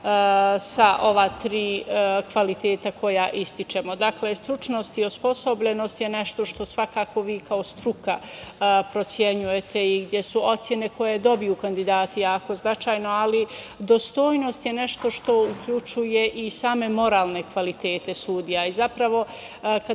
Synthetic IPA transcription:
saʔo̞ʋat̪ɾiːkʋalit̪eːt̪akʰo̞jaʔist̪it͡ʃe̞mo̞d̪akle̞st̪ɾut͡ʃno̞st̪iospo̞so̞bʎeno̞st̪je̞neʃt̪o̞ʃt̪o̞sʋakaːkʰo̞ʋiːkʰaost̪ɾukapɾo̞t̪sje̞ɲuje̞t̪ʰe̞iɡd̪jesuo̞t̪sʲje̞ne̞ko̞jed̪o̞bijukand̪id̪aːt̪ijaːko̞znat͡ʃaːjno̞alid̪o̞st̪o̞ːjno̞st̪je̞ne̞ʃt̪o̞ʃt̪o̞ukʎut͡ʃuje̞ʔisaːme̞mo̞ɾaːlˠne̞kʋalit̪e̞ːt̪e̞suːd̪ijaizapɾaʋo̞ | ka

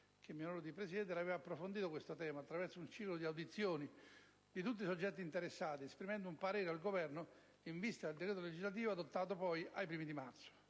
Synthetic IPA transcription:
k̟emionoɾod̪ipɾesid̪ɛnt̪elavɛːvapːɾofond̪iːt̪okwest̪ot̪ɛːmaːt̪ːɾavɛrt̪sʊunt͡ʃiːklod̪iawd̪it̪sːjoːni | d̪̥it̪̬ut̪ːisod͡ʒːɛt̪ːiːnt̪eɾesːaːt̪iespɾimɛnd̪ʊumpaɾeːɾealɡovɛrno | iɱvist̪ad̪eld̪ekɾeːt̪oled͡ʒizlat̪̬iːvoad̪ot̪ːaːt̪̬opɔjajpɾiːmid̪imat̪t̪so̥

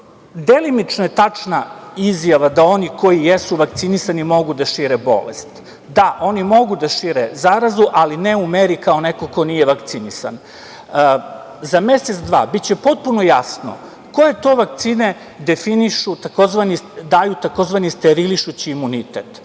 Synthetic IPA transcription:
d̪elimit͡ʃnoje̞t̪at͡ʂnaizjaʋad̪ao̞niko̞jijesuʋakt̪sinisanimo̞ɡud̪aʃiɾebo̞̰lḛst̪ | d̪aʔo̞nimo̞ɡud̪aʃiɾezaɾazuʔalineumeɾikao̞neko̞ko̞nijeʋakt̪sinisa̰n | zame̞set̪sd̪ʋa̰ːbit̪t͡ɕepo̞t̪̚puno̞jasno̰ | ko̞jet̪o̞ːʋak̚t̪siːne | d̪e̞finiʃut̪ako̞zʋanid̪ajut̪ako̞zʋanist̪eɾiliʃut͡ɕiːmunit̪et̪

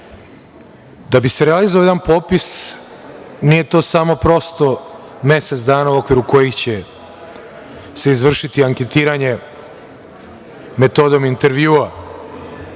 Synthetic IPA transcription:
d̪abiseɾealizooːjed̪anpo̞ːpis | niːje̞t̪o̞ːsamo̞pɾo̞st̪o̞ | me̞set̪d̪aːnauo̞kʋiɾuko̞jixt͡ɕe̞ | se̞izʋr̩ʃit̪iaŋke̞t̪iːɾaɲe̞ | me̞t̪o̞d̪o̞mint̪e̞ɾʋjuːa

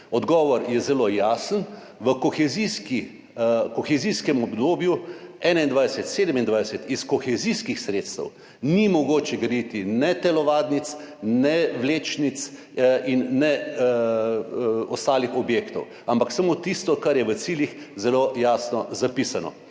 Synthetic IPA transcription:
ɔd̪ɡɔːʋɔɾjɛzɛlojaːsən | ʋəkɔxɛziski | kɔxɛziskɛmɔbd̪oːbjuɛːnaind̪ʋajsɛt̪seːd̪əmind̪ʋajsɛt̪iskɔxɛziskixsɾeːt̪st̪ə̰w | nimɔɡoːt͡ʃɛɡɾɛd̪it̪inɛt̪ɛlɔʋaːd̪nit̪snɛʋleːt͡ʃnit̪s | inːɛ | ɔst̪aːlixɔbjeːkt̪ɔw | ampaksamot̪ist̪ɔkaɾjɛʋət̪siːljix | zɛlojaːsnɔzapisanɔ̰

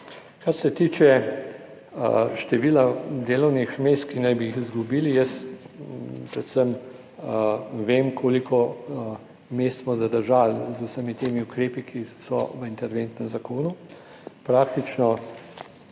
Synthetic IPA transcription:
kaɾsɛt̪iːt͡ʃɛ | ʃt̪ɛʋiːlad̪eːlɔwnixmeːst̪kinajbiixizɡubiːlijəs | pɾɛt̪səm | ʋeːmkʰoːlikʰɔ | meːst̪smɔzad̪əɾʒalzusəmit̪eːmiʊkɾeːpikʰisɔ̰ʋəint̪ɛɾʋeːnt̪nɛmzakoːnu | pɾaːk̚t̪it͡ʃnɔ

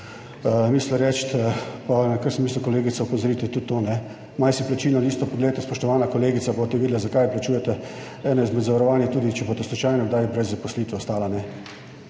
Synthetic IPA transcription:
mislɛɾɛt͡ʃt̪panakəɾsmiːslukɔleːɡit̪saɔpozɔɾiːt̪ɛt̪ut̪ːonɛ | majsiplat͡ʃiːlnɔd̪iːst̪ɔpɔɡleːd̪at̪ɛspɔʃt̪ɔʋaːnakɔleːɡit̪sabot̪ɛʋiːd̪lɛzakajplat͡ʃuːjɛt̪ɛ | ɛːnɔizmɛd̪zaʋaɾɔʋaːnjɛt̪uːd̪it͡ʃɛboːt̪ɔslut͡ʃajnɔɡd̪ajbɾɛzːapɔsliːt̪ʋɛɔst̪aːlanɛ

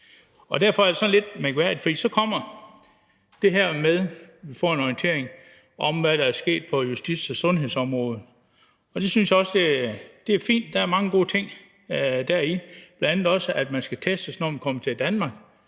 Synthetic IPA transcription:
ɒ̽d̥æɐ̰fɒ̽æɐ̥e̝sɒ̽nle̝d̥mæɡ̥ʋæɐ̰d̥id̥fɒd̥ḭːsɒ̽kʰɒ̽m̰ɐ | d̥e̝ɦæɐ̰með̞ˠʋifɒ̰ːe̝nɒint͡sʰe̝̰ɐ̰eŋ | ʔɒ̽mʋæɾ̥ɑ̈æɐsɡ̥e̝̰ːd̥̚pʰɒ̽jusd̥id̥sɒsɔ̽nɦe̝ðˠsɒ̽mʁɔ̽ːð̞̩ˠ | ɒ̽d̥e̝synsjɑ̈ɒ̽səd̥e̝d̥e̝æɐfḭːnd̥ːɑ̈æɐmɑ̈ŋəɡ̥o̝̰ːt͡sʰe̝ŋ̰ | d̥æɐib̥lænænð̩ˠɒ̽səʔæd̥mænsɡ̥æt͡sʰesd̥əsnɒ̰mʋikʰɒ̽mət͡sʰe̝ld̥ænmɑ̈ːɡ̥

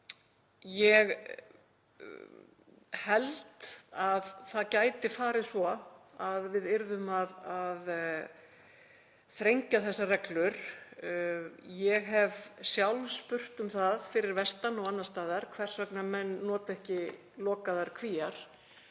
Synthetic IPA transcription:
jɛɣ | hɛlt̪aðθaðcaːjt̪ɪfaːɾɪðsvɔaðvɪðɪɾðʏmaðað | θɾejɲcaθɛsːarɛklʏɾ̥ | jɛɣɦɛvsjawlspʏr̥t̪ʏmθaðfɪɾɪɾvɛst̪anɔwanːast̪aːðaɾ̥kʰvɛr̥svœknamɛnːɔːt̪ɛhcɪ | lɔːkaðaɾ̥kʰviːaɾ̥

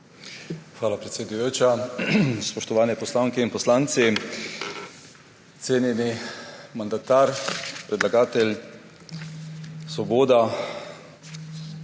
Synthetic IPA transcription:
xʋaːlapɾɛt̪sʲjed̪ujoːt͡ʃa | spɔʃt̪ɔʋaːnɛpɔslaːŋkɛinpɔslaːnt̪si | t̪seːnjɛnimand̪at̪aːɾpɾɛd̪laɡaːt̪ɛlʲ | sʋɔboːd̪a

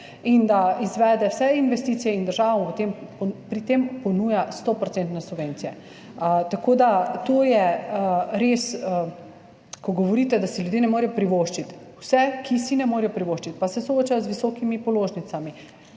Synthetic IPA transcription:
ind̪aizʋɛːd̪ɛwsɛinʋɛst̪iːt̪sijɛind̪əɾʒaːʋamʋət̪emppɾit̪empɔnuːjast̪ɔpɾɔt̪sent̪nɛsubʋeːnt̪sijɛ | t̪akoːd̪at̪ojɛ | ɾeːs | kɔɡɔʋɔɾiːt̪ɛd̪asiljud̪jeːnɛmoːɾijɔpɾiʋoːʃt͡ʃit̪wsɛkʰisinɛmoːɾijɔpɾiʋoʃt͡ʃit̪pasɛsooːt͡ʃajɔzʋisɔːkimipɔloːʒnit̪sami

